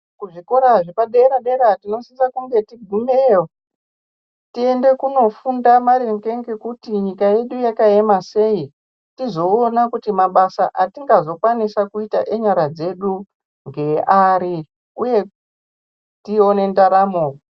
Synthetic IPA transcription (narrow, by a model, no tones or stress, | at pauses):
kuʐiko̞ɾaʐipaɗeɾaɗeɾatino̞sisakuŋɡe̞tiɡʱumeo | tie̞nde̞kuno̞fundamaɾe̞ŋɡe̞ŋɡe̞kutiɲikaje̞ɗujakae̞mase̞i | tizo̞ːnakutimaɓasaʔatiŋɡazo̞kwanisakuita̰ʔeɲaɾad͡ze̞ɗu | ŋɡe̞ʔaɾi | uje̞ | tio̞ne̞ndaɾamoːko